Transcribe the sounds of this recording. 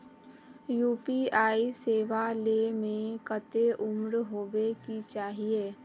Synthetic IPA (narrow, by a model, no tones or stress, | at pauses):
juːpiaːiseːʋalemẽkət̪eʔʊmɾɦoːʋekit͡ʃaːɦieː